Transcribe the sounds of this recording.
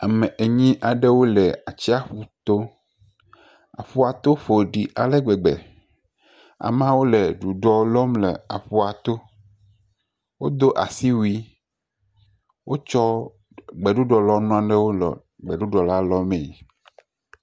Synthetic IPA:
a˨mɛ̃˨ʔe˨ɲĩ˦ʔa˨ɖɛ˦wo˦lɛ˨a˨t͡ɕi˦a˦ɸu˦t̪o˦ | a̰˨ɸu˦a˨t̪o˦ɸo˨ɖi˨ʔa˨lɛ˦ɡ͡bɛ˨ɡ͡bɛ̰˨ | a̰˨m˦ã˦wo˦lɛ˨ɖu˨ɖɔ˦lɔ˦mlɛ˨a̰˨ɸu˦a˨t̪o˦ | wo˦d̪o˦ʔa̰˨si˦wu˦i˦ | wo˦t͡ʃɔ˦ | ɡ͡bɛ˨ɖu˦ɖɔ˨lɔ˦nɔ̃˦ã˦˨ɖɛ˦wo˦lɔ̰˨ | ɡ͡bɛ˨ɖu˦ɖɔ˨la˦lɔ˦mẽ˨

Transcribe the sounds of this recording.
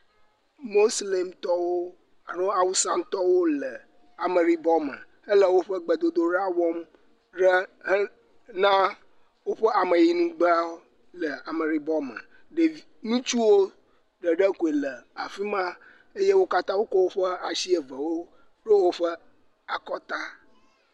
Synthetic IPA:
mo˦sle˨mt̪ɔ˦wo˦ | a˨ɾo˦a˨wu˦sã˦n˦t̪ɔ˦wo˦lə˨ | a˨mə˨ɾi˦bɔ˦mə̰˨ | ə˦lə˦wo˦ɸə˦ɡ͡bə˨d̪o˨d̪o˨ɾa˦wɔ˦m | ɖə˦hə˦ | nã˦ | wo˦ɸə˦a˨mə˨ji˨nũ˦ɡ͡bə˦a˦wo˦ | lə˨a˨mə˨ɾi˨bɔ˦mə̰̃˨ | ɖe˨nũ˦t͡ʃu˦wo˦ | ɖə˨ɖə˦ko˨e˨lə˨a˨fi˦mã˦ | e˦je˦wo˦ka˦t̪ã˦wo˦kɔ˦wo˦ɸə˦a˨si˦e˨və˨wo˦ | ɖə˦wo˦ɸə˦ | a˨kɔ˦t̪a˦

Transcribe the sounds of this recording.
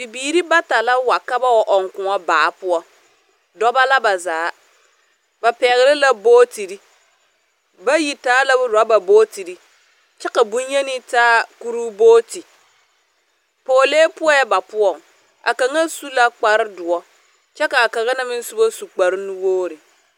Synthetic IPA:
bi˨biː˨ɾi˦ba˦ta˨la˦wa˨ka˦ba˦wɔ˨ʔɔ˨ŋkʊ˨ŋɔ˦baː˨˦pʊ˦ɔ˦ | dɔ˦ba˦la˦ba˨zaː˨˦ | ba˨pɛ˨ɣɪ˨ɾɪ˦la˦boː˦ti˨ɾi˦ | ba˦ji˨taː˦la˦bʊ˦ɾa˨˦ba˨boː˦ti˨ɾi˦ | t͡ʃɛ˦ka˨bu˦je˦ni˦taː˦ku˦ɾu˦boː˦ti˨ | poː˨leː˦pʊ˦ɔ˦jɛ˦ba˨pʊ˦ɔ˨ŋ | ʔa̰˨ka˨ŋa˦su˦la˦k͡pa˦ɾɪ˦dʊ˨ɔ˦ | t͡ʃɛ˦ka˨ka˨ɣa˦na˦mɪ˦n˦su˦bo˦su˨k͡pa˨ɾɪ˦nu˦woː˦ɾɪ˨

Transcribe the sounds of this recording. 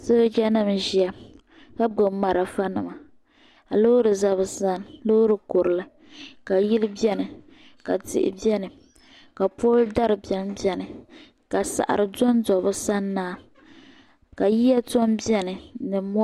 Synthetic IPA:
sɨ˦d͡ʒa˦nɨ˦m˨ʒi˦a˨ | ka˦ɡ͡bo˨ma˨ɾa˨fa˦nɨ˨ma˨ | a˨lo˦ɾɨ˨za˦βɨ˨sa˦nlo˦ʊ˦ɾɨ˨ko˨ɾɨ˨la˦ | ka˨ji˦lɨ˦bɛ˦nɨ˨ | ka̰˨tɪ̰˨ʔɪ̰˨bɛ˦nɨ˨ | ka˨poː˦lda˦ɾɨ˨bɛ˦n˦bɛ˦nɨ˨ | ka˨sa̰˨ʔa̰˨ɾɨ˨dɔ˦n˦dɔ˨bʊ˦sa˦nːaː˦ | ka˨ji˦ja˦tɔ˦mbɛ˦nɨ˨˦nɨ˨mɔ˦

